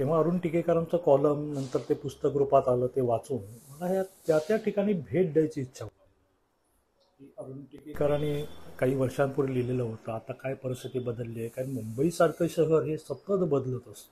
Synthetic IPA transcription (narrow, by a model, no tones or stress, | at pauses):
t̪ẽʋ̤aəɾuːnʈikekəɾant͡səkɔləmnənt̪əɾt̪epust̪əkɾupat̪aləːt̪eʋat͡suːnməlaɦjat̪jat̪jaʈʰikaɽ̃iːbʱeʈ̚ɖajt͡ɕiːtːɕʰao | kiəɾuːnʈikekəɾaɽ̃ikaɦiːʋəɾɕãmpuɾelileləɦot̪əːat̪akajpəɾist̪ʰit̪iːbəd̪əlːikaɾimumbəiːsaɾkəɕəɦəɾɦesət̪əd̪bəd̪lət̪əs